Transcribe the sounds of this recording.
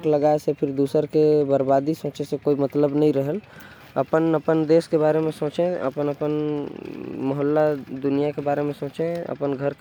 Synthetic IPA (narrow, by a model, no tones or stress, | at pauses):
kləɡaesepʰɪɾd̪uːsəɾkebəɾbad̪isõːt͡ʃesekoːimət̪ləbnəĩɾəɦəl | əpənəpənd̪eːskebaːɾemẽsõːt͡ʃẽə̰pənəpən | məɦəlːad̪ʊnijakebaːɾemẽsõːt͡ʃẽə̰pənɡʱəɾk